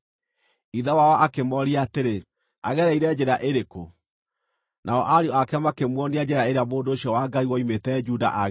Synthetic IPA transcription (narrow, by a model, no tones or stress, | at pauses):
iðawawaʔakemɔɾiaːteɾe | a̰ɣɛɾaiɾɛd͡ʒɛɾaʔeɾeko | nʔaɔʔaɾeɔakɛmakemwɔniad͡ʑeɾaeɾeamoːndooɕjɔwaɡaiwɔimetɛd͡ʒuda̰ʔaɣ